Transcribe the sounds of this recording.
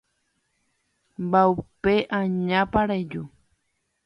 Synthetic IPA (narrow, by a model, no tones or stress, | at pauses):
mbaupeʔãɲãpaɾajd͡ʒu